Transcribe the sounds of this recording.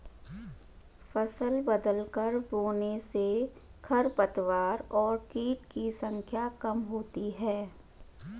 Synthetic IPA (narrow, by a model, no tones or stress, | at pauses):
fɐsəlbəd̪əlkəɾboːnesekʰɐɾpət̪ʋaːɾɔːɾkiːʈkisə̃ŋkʰjakɐmɦoːt̪iɦɛː